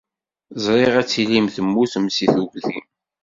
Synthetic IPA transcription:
zˤɾˤɪʁæt͡sːilimθəmːuθmsiθuɡðim

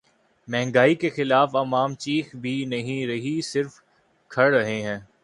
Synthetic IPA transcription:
mɛ̃ɦŋɡaːikexɪlaːfɐmaːmt͡ʃiːxbʱinɐɦĩɾɐɦisɪɾf | kʰɐɽɾɐɦeɦɛ̃ː

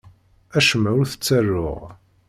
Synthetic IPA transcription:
æʃəmːæʊɾθə̥t͡sːærːʊ̰ʁ

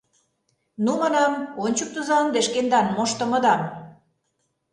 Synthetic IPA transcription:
numɑnɑmonʲt͡ɕuk̚t̪uzɑnd̪eʃkend̪ɑnmoʃt̪ə̆mɤ̆d̪ɑm

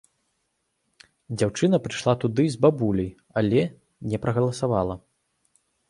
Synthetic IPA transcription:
d͡zʲawt͡ʂɨnɐpɾɨʂlˠat̪ud̪ɨzbabulʲɐj | alʲɛ | nʲɛpɾɐɣɐlˠɐsavalˠɐ

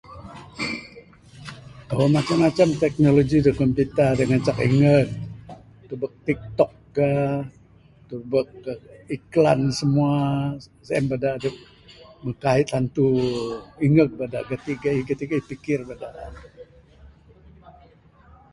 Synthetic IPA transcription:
omat͡ʃamat͡ʃamt̪ɛk̚noloɡidokɔmpit̪adəŋat͡ʃakḭŋət̪̚ː | ubək̚t̪ik̚t̪ɔk̚ːa | t̪ubək̚iklansəmuasaɛmbadadə | məkaɪt̪̚hant̪u | iŋək̚bada̰ʔkət̪iɡaikət̪iɡaipikɪrbadaʔ

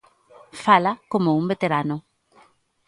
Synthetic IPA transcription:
falakomʊuŋbet̪eɾanʊ

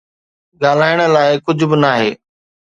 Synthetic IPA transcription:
ɠaːl̤aːɪɽ̃əlaːɪkʊd͡ʑʱʊbɪnaːɦeː

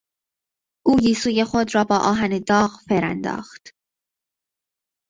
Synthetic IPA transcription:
ʔuːjiːsuːjexod̪ɾɒːbɒːʔɒːɦæned̪ɒːqfeɾæ̰nd̪ɒ̰ːxt̪

